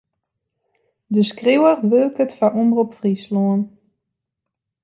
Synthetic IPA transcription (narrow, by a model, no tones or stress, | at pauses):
dəskrewərʋølˠkətfaʔumrupfrisloən